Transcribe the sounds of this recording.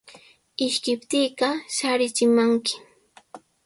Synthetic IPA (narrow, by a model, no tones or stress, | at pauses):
ɪʃkɪpt̪iːɢɑʃaɾɪt͡ʃɪmaŋkɪ̥